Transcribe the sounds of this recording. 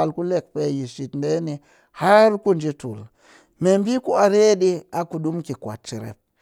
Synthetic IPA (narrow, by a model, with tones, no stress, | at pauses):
a˨lku˦le˦˨k̚pe˦ji˨ʃi˨tnde˦ni˨ | ha˦ɾku˦nd͡ʒi˦tṵ˨l | me˨mbi˦ku˦a˨ɾe˦ɗi˦a˨ku˨ɗu˦mki˨kwa̰˨t̚t͡ʃi˨ɾḛ˨p̚